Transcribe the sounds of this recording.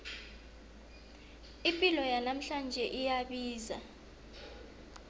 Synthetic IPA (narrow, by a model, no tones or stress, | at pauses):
impʼilɔjanam̩ɬand͡ʒʱɛʔijaɓiːza